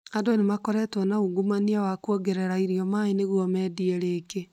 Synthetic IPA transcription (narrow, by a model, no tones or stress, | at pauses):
adɔnemakɔɾɛtwɔnauɡumaniawakwɔɡɛɾɛɾaiɾiɔmaeneɣwɔmɛːdiɛɾeke